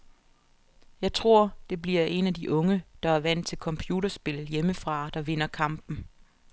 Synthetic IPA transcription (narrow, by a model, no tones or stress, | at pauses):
jɑ̈ɪt͡sʰʁo̝ɐ̰d̥e̝b̥liɐʔe̝næd̥iʔɔ̽ŋəd̥ɑ̈æɐʋæn̰d̥̚t͡sʰe̝lkʰɒ̽mpʰjuːɾɐsb̥e̝ljeməfʁɑ̈d̥ɑ̈ʋe̝n̰ɐkʰɑ̈m̰b̥n̩